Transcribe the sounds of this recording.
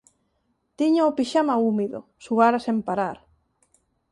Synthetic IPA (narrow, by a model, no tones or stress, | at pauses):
t̪iɲaopiʃamaumiðo̰suɣaɾasempaɾaɾ